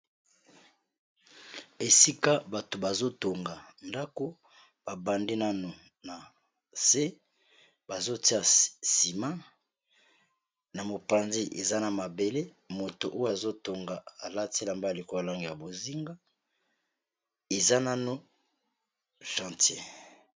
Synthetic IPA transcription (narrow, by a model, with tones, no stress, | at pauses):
e˨si˦ka˦ba˨to˨ba˨zo˦to˨ŋɡa˨nda˦ko˦ | b̥a˨ba˨ndi˦na˦no˨ | na˨ | se˦ | ba˨zo˦ti˦a˨si˨mã˦ | na˨mo˨pã˨nzi˦ʔḛ˨za˦na˨ma˨be˨le˦ | mo˨to̰˨ʔo˦ja˨zo˦to˨ŋɡa˨a˨la˦ti˦la˨mba˦˨li˨ko˦a˨la˦ŋɡi˨ja˨bo˨zi˦ŋɡa˦ | e˨za˦na˦no˦ | ʃã˨ntje˦